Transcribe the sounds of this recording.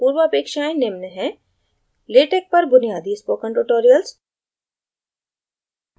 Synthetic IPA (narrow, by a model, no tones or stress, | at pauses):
puːɾʋəɐpeːkʃaːẽnɪmnəɦɛ̃ | leːʈek̚pɐɾbʊnijaːd̪ispoːkə̃nʈuʈoːɾijəls